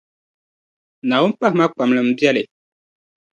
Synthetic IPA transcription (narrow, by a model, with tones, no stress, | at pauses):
na˨wʊ˦m˦pa˦hma˦k͡pa˨m˨lɨ˨m̩˦bjɛ˦lɪ˨